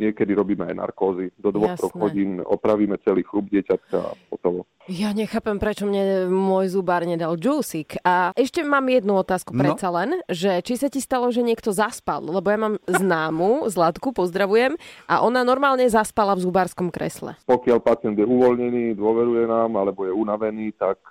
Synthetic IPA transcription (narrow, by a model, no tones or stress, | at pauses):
ɲɪɛkɛd̪iɾɔbiːmɛajna̰ɾkɔːzid̪ɔd̪ʋɔxsɾɔɡ̪ɦɔɟiːnɔ̰pɾaʋiːmɛt͡sɛliːxluːb̚ɟɪɛcat̪ka̰a̰fɔt̪ɔlɔ | jaɲɛxaːpɛmpɾɛt͡ʃɔmɲɛmʊɔjzubaːɾɲɛd̪ald͡ʒuːsikɛʃcɛmaːmjɛd̪nuɔt̪aːskupɾɛt͡salɛnʒɛt͡ʃisacist̪alɔʒɛɲɪɛkt̪ɔzaspa̰llɛbɔjamaːmznaːmuzlat̪kupɔzd̪ɾaʋujɛmʔaʔɔnanɔɾmaːlɲɛzaspalavzubaːɾskɔmkɾɛ̰slɛ̰pɔkɪalpat͡sɪɛnd̪jɛuʋɔlɲɛniːd̪ʊɔʋɛɾujɛnaːmalɛbɔjɛunaʋɛniːt̪ak̚